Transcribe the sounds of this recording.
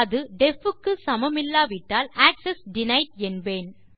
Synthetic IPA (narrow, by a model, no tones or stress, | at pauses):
ɐðɯɖɛfɯkːɯsɐmɐmɪlːaːʋɪʈːaːlaːksɛsɖɪnɐɪʈ̚ɛnbeːn